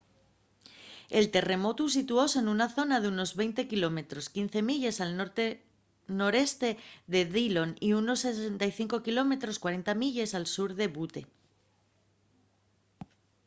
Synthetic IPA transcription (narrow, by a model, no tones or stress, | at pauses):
e̞lt̪e̞re̞mo̞t̪us̬it̪uo̞senunaθo̞naðeuno̞zβe̞jnt̪e̞kilo̞me̞t̪ɾo̞skin̟θe̞miʎe̞salnoɾt̪e | no̞ɾe̞st̪e̞ðe̞ðilo̞niuno̞sːe̞se̞nt̪aiθiŋko̞kilo̞me̞t̪ɾo̞skwaɾe̞nt̪amiʎe̞salsuɾðe̞βut̪e̞̰